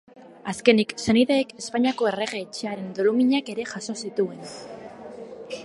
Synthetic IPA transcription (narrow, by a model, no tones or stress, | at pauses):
aske̞nikse̞niðeːke̞spaɲako̞e̞re̞ɣe̞ːt͡ʃeaɾe̞nd̪o̞lumiɲake̞ɾe̞ʝaso̞sit̪ue̞n